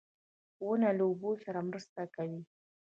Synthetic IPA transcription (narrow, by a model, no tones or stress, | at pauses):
wənalaubosaɾamɾəst̪akawi